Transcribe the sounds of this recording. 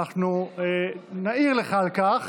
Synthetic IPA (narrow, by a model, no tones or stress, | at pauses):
aχnu | naiʁleχalkaχ